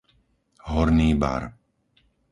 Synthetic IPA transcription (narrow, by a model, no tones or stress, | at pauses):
ɦɔɾniːba̰ɾ